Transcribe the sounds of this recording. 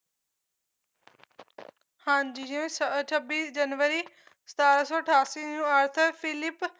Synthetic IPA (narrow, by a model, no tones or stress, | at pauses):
hãːnd͡ʒijõst͡ʃʰəbiːsd͡ʒənʋəɾiː | sət̪aːɾəsɔːəʈʰaːsiːnũːəɾt̪ʰəpʰɪlɪp